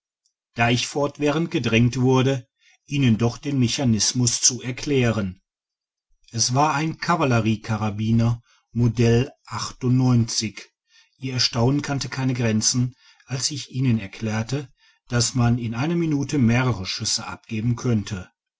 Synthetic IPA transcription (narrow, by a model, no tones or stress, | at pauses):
d̥aːɪçfɔɐtv̥ɛːʁ̞ənt̚ɡ̥ədʁɛŋtv̥ʊɐɾə | ʔiːnəndɔχd̥eːnmeçanɪsmʊst͡suɛɐkʰl̥ɛːʁən | ʔɛsv̥aːɐaɪnkʰavaləʁiːkʰaʁabiːnɐ | modɛlʔaχtʊntnɔʏnt͡sɪç | ʔiːɐɛɐʃtaʊnənkʰantəkʰaɪnəɡʁɛnt͡sn̩ | ʔalsɪçʔiːnənɛɐkʰl̥ɛːɐtə | d̥asmanɪnʔaɪnɐminuːtʰəmeːʁəʁəʃʏsəʔa̰p̚ɡ̥eːbm̩kʰœntʰə